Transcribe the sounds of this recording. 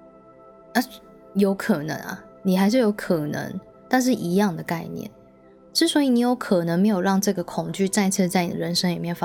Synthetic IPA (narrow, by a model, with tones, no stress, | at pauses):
a˥˧˩ | jo˧˥ʊkʰə˨˩nə̰˧˥ŋɐ̰˨ | ni˨˩xa˧˥ɪʂ̬ɻ̩˥˩jo˧˥ʊkʰə˨˩nə̰˧˥ŋ | t̪a˥˧nʂ̬ɻ̩˥˩ʔi˧˥˦jɑ˥˩ŋd̪ə˩ka˥˧ɪnjɛ̰˥˩n | ʂɻ̩˥˩swɔ˧˥i˨˩ni˨˥jo˧˦˥ʊkʰə˨˩nə˧˦ŋme˧˥ɪjo˨˩ʊɻɑ˥˧ŋʈ͡ʂɤ˥˩ɡə˩kʰʊ˨˩ŋt͡ɕy˥˧t͡sa˥˧ɪt͡sʰɤ˥˧t͡sa˥ɪni˨˩d̪ə̰˨˩ɻə˧˦nʂə˥ŋli˨˩mjɛ˥˩nf